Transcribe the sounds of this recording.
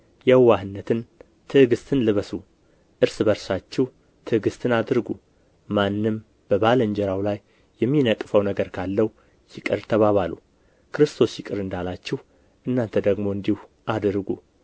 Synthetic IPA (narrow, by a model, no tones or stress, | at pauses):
jɛwːahɨnːət̪ʰɨn | t̪ʰɨhɡɨst̪ʰɨnlɨβəsu | ʔɨɾsɨbəɾsat͡ʃːɛh | t̪ʰɨɡɨst̪ʰɨnad̪ɾɡu | manːɨm | b̥əβalɨɲd͡ʒɛɾawlajː | ɛmːinəkʼːfəwnəɡəɾkʰalːəh | jɪkʼɨɾt̪ʰəβaβalṵ | kʰɨɾɨst̪ʰo̞sjɪkʼɨɾɨnd̪alat͡ʃːɪh | ʔɨnːant̪ʰəd̪əɡmo̞ɨnd̪ihu | ʔad̪ɾɡu